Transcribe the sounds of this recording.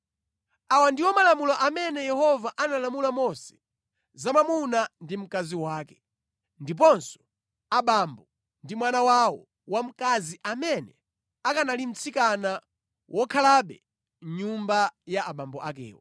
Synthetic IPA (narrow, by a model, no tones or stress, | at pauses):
awandiwɔmalamulɔʔamɛnɛjɛhɔvaʔanalamulamɔsɛ̥ | zamamunandim̩kaziwaːkɛ̥ | ndip̬ɔnsɔ̥ | aɓambɔ | ndimwanawawɔ | wam̩kaziʔamɛnɛ | akanalim̩t͡sʰikana | wʔɔkʰalaɓɛ̰ | ɲumbajaaɓambɔʔa̰kɛ̰ːwɔ